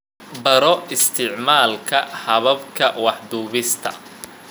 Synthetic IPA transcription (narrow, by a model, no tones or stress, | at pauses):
bɐɾɔɪst̪ʰɪʕmaːlkʰɐhɐβɐbkʰɐwɑħd̪uːβɪst̪ʰɐ̰